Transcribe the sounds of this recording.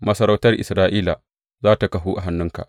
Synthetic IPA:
mɐ˦sɐ˦ɾa˦wtɐ˦rʔɪ̰˨sɾaː˦ʔiː˦la˨ | zaː˦ta˨kɐ˨ɦu˦ʔa˨ɦa˦nːʊ˦ŋka̰˨ʔ

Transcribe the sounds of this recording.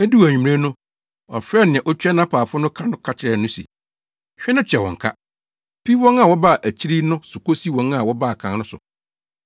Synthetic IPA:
e˦du˦˨æ˨ĩ˨m˨ɾẽ˦nʊ̃˦ | ɔ̰˨fɾɛ˦˨nɪ̃˨ɛ̃˨ʔɔ˦t͡ɕᶣɛ˦nã˦pʰaː˨fʊ˦ʊ˦nʊ̃˦kʰã˦nʊ̃˦kʰa˦t͡ɕʰɪ˨˦ɾɛ˨nʊ̃˦sḭ˨ | ɕᶣɪ˦nʊ̃˦t͡ɕʰᶣɛ˨wɔ̰̃˨ŋ̩˨kʰa̰˦ | pʰi˦wɔ̃˦ŋa˨wɔ˦ba˦˨ʔæ˨t͡ɕʰi˦ɾi˦nʊ̃˦sʊ˨ko˦si˦wɔ̃˨na˨wɔ˦baː˦˨kʰã˨nnʊ̃˦sʊ̰˨

